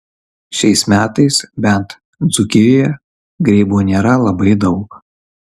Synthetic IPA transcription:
ʃʲɛɪsmʲæːt̪ɐɪsbʲɛnt̪ | d̪zʊkʲɪjojɛ | ɡɾʲɛɪbuːnʲeːɾɐlˠɐbɐɪd̪ɒʊk

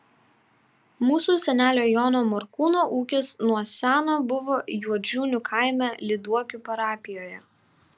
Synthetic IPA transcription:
muːsusʲɛnʲæːlʲoːjoːnoːmɔɾkuːnoːʔuːkʲɪsnuɔsʲæːnoːbʊʋoːjuɔd͡ʒʲuːnʲʊkʰɑˑɪmʲælʲɪd̪uɔkʲupɐɾɑːpʲɪjoːjɛ

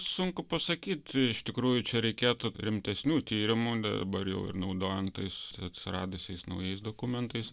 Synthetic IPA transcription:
sʊŋkʊpɐsɐkʲiːt̪ʲɪʃt̪ʲɪkɾuːjʊt͡ʃʲɛɾʲɛɪkʲeːt̪ʊɾʲɪmʲt̪ʲɛsʲnʲuːt̪ʲiːɾʲɪmud̪ɐ̰dɐ̰bɐɾjɛ̰ʊɪ̰rnɐʊd̪oːjɛnt̪ɐɪsɐt̪ʲsʲɪɾɑːd̪ʊsʲɛɪsnɐʊjɛɪsd̪oːkʊmʲɛnt̪ɐɪs

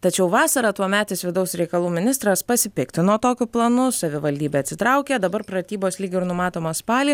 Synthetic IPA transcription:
t̪ɐt͡ʃʲɛʊʋɑːsɐɾɐt̪uɔmʲæːt̪ʲɪsʋʲɪd̪ɐʊsɾʲɛɪkɐlˠuːmʲɪnʲɪst̪ɾɐspɐsʲɪpʲɪkt̪ʲɪnuɔt̪oːkʲʊplˠɐnʊsɐʋʲɪʋɐlʲd̪ʲiːbʲeːɐt̪sʲɪt̪ɾɐʊkʲɛd̪ɐbɐɾpɾɐt̪ʲiːboːsʲlʲiːɡʲɪɪɾnʊmɑːt̪oːmɐspɑːlʲi

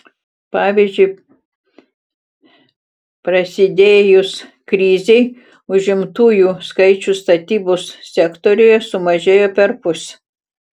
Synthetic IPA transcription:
pɑːʋʲiːzʲd͡ʒʲʊɪ | pɾɐsʲɪd̪ʲeːjʊs | kɾʲiːzʲɛɪ | ʊʒʲɪmt̪uːjuːskɐɪt͡ʃʲʊst̪ɐt̪ʲiːboːssʲɛkt̪oːɾʲʊjɛsʊmɐʒʲeːjoːpʲɛɾpʊsʲ

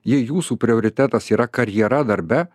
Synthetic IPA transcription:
jɪjuːsuːpʲɾʲɪoːɾʲɪt̪ʲæt̪ɐsiːɾɐkɐɾʲjɛɾɐd̪ɐɾʲbʲɛ

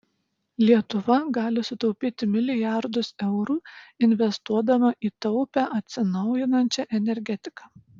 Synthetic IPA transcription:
lʲiɛt̪ʊʋɐɡɑːlʲɪsʊt̪ɐʊpʲiːt̪ʲɪmʲɪlʲɪjæˑɾd̪ʊsɛʊɾuːɪnʲʋʲɛst̪uɔd̪ɐmɐʔiːt̪ɐʊpʲæʔɐt̪ʲsʲɪnɐʊjɪnɐnʲt͡ʃʲɛʔɛnʲɛɾʲɡʲɛt̪ʲɪ̥kɑː

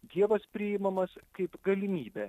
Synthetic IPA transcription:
d̪ʲiɛʋɐspʲɾʲɪɪmɐmɐskɐɪpɡɐlʲɪmʲiːbʲɛ

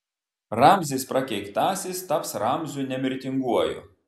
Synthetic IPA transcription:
ɾɑmʲzʲispɾɐkʲɛɪkt̪ɑːsʲɪst̪ɐpsɾɑmʲzʲʊnʲɛmʲɪɾʲt̪ʲɪŋɡuɔjʊ̰

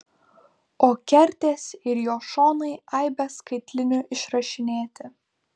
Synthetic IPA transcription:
oːkʲɛɾʲt̪ʲeːsɪɾjoːʃoːnɐɪɐɪbʲɛskɐɪt̪ʲlʲɪnʲʊʔɪʃɾɐʃʲɪnʲeːt̪ʲɪ

